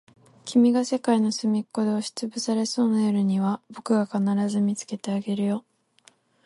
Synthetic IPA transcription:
kʲʰimʲiɡase̞kaino̞sɨmʲikːo̞d̪e̞oɕi̥t͡sɨbɯsaɾe̞so̞ːnajoɾɯ̟ɲ̟iβabo̞kɯ̟ɡakanaɾazɨmʲit͡sɨ̥ke̞t̪e̞aɡe̞ɾɯ̟jo̞

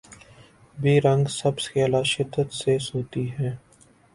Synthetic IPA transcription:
biːɾə̃ŋɡsəbselaːʃɪd̪ːət̪seːsoːt̪iɦɛː

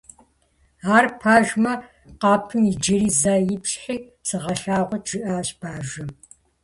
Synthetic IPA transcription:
aːrpʰaːʒmɐ | qɑːpʰɨmid͡ʒɐɾiːzaːjɪpɕħiː | sɨʁɐɬaːʁʷɔtʰʒ̥ɨʔaːɕb̥ʰaːʒɐ

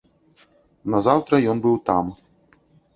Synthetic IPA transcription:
nɐzawt̪ɾɐjɔnbɨwt̪a̰m

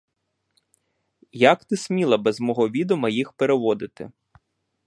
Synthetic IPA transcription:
jakt̪ɪsʲmʲilˠɐbɛzmɔɦɔʋʲid̪ɔmɐjixpeɾeʋɔd̪ɪt̪ɪ̰

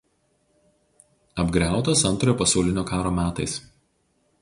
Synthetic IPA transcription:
ɐbɡɾʲæˑʊt̪oːsɐnˑt̪ɾojoːpɐsɐˑʊlʲɪnʲoːkɑːɾoːmʲæːt̪ɐɪs

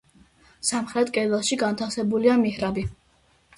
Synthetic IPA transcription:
samχɾɛt̪ʰʼkʼɛlɛlˠʃiɡant̪ʰafsɛbuliamihɾabi

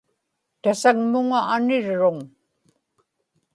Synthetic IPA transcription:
t̪asaŋmʊŋaːnɪɻːʊŋ

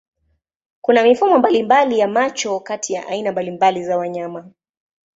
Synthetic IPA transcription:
kunamifumɔmbalimbalijamat͡ʃɔkatʰijaʔainambalimbalizawaɲama

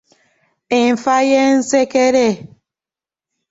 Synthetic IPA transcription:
iɱfajɛn̩sekeɾɛ

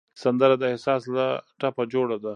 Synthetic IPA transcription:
sand̪əɾad̪aɪhsɑːslaʈapad͡ʒoɽad̪a

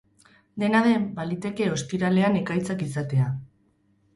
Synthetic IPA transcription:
d̪e̞naðe̞mbalit̪e̞ke̞o̞spiɾale̞ane̞kajt͡sakisat̪e̞a

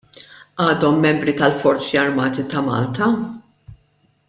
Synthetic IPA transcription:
ʔɐːd̪ɔmːɛmbɾit̪ɐlfɔɾt͡siɐɾmɐːt̪it̪ɐmɐ̰ːlt̪ɐ

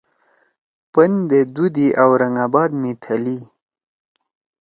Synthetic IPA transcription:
pənd̪ed̪ud̪iʔawɾaŋabɑd̪mit̪ʰali

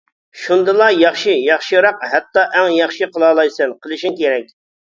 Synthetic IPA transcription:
ʃund̪ɨlˠɑjɑχʃijɑχʃiɾɑq̚hɛt̪ːɑʔɛŋjɑχʃɨqʰəlˠɑːlˠɑjsɨnqʰəlˠɨʃiŋkʲeɾɛk̚ʲ

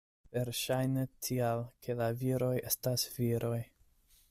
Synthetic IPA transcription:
veɾʃajnetʰialkʰelaviɾo̞je̞stasviɾʔo̞j

